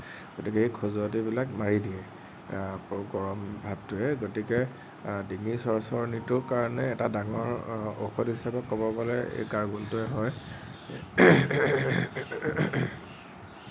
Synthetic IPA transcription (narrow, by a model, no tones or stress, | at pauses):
ɡ̥otikɛekʰɔzɔɔtibilakmaɹidiɛ | ɡɔɹɔmbʱab̚tʊɛɡotikɛ | diŋisɔɹsɔɹnitʊkaɹɔnɛːtadaŋɔɹo̰xɔdɦisapɛkobɔpɔlɛ̰ɡaɹɡuntʊɛɦɔj